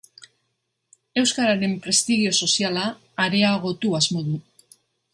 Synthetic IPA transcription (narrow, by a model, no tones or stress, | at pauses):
e̞wskaɾaɾe̞mpɾe̞st̪iɣio̞so̞sialaː | ɾe̞aɣ̞o̞t̪uazmo̞ðu